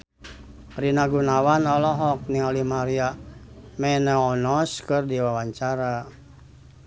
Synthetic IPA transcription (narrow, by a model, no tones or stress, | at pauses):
ɾinaɡunawanalɔɦɔk̚niŋalimaɾia | mɛnaɔnɔskɨrdiwawaɲt͡ʃaɾa